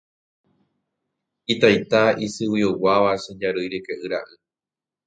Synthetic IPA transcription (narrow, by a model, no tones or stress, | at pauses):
it̪ajt̪aisɨwiowaʋaʃẽd͡ʒaɾɨjɾekeʔɨɾa̰ʔɨ